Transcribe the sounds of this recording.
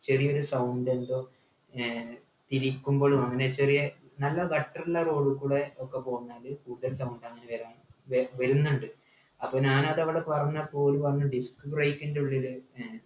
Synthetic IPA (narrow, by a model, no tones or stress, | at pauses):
t͡ɕːerijo̞ɾusɐwɳɖenɖoː | t̪iɾikʲːumbo̞ːɭumɐŋːɐnet͡ɕːerijɐ | nɐlːɐɡɐʈːɐrilːɐro̞ːɽukuːɽe̞okːepo̞ːɻunːaːlɨkuːɽuðɐlsɐwɳɖɐŋːɐneʋeːɾaːɳʋʋɐɾunːuɳɖɨ | ɐpːo̞ːɲaːnɐðɐʋɐɭekːpɐrɐɲːɐpo̞ːlumʋɐrɐɲːuɖiskɨrɐjkʲːindeuɭːɐiɾɨ